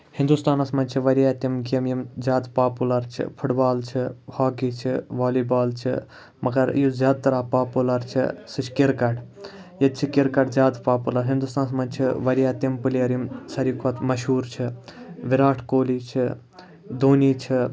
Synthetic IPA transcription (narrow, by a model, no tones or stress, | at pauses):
hind̪ust̪aːnɐsmɐnʲt͡ʃʰiʋɐɾijaːt̪imɡijɐmjimzʲaːd̪paːpulɐɾt͡ʃʰḭpʰuʈbaːlt͡ʃʰihaːkit͡ʃʰiʋaːlibaːlt͡ʃʰḭ | mɐɡɐɾjuzʲjaːd̪̚t̪ɐɾaːpaːpulɐɾt͡ʃʰḭsɨt͡ʃʰkiɾkɐʈjɐt̪t͡ʃʰikiɾkɐʈzʲjaːd̪paːpulɐɾɦind̪ust̪aːnɐsmɐnt͡ʃʰiʋɐɾijaːt̪impɨliɐɾimsɐɾikʰʋɐt̪mɐʃuːɾt͡ʃʰiʋiɾaːʈʰkoːlit͡ʃʰi | d̪oːniːt͡ʃʰi